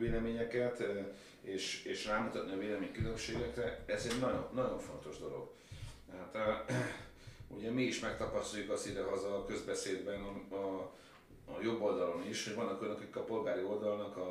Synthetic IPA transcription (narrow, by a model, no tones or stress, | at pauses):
veːlɛmeːɲɛkɛt̪ | eːʃeːʃraːmut̪ɒt̪niɒveːlɛmeːɲkylømʃeːɡɛkrɛɛzɛɟnɒɟonːɒɟo̞ɱfo̞n̪t̪o̞ʒd̪o̞lo̞̰ɡ | t̪ɛɦaːt̪ | ṵɟɛmiiʃmɛk̚t̪ɒpɒst̪ojukɒsid̪ɛɦɒzɒkø̞zbɛseːd̪bɛn | jo̞bːo̞ld̪ɒlo̞miʃho̞ɟvɒnːɒkojnɒkikːɒpo̞lɡaːɾio̞ld̪ɒlnɒkɒ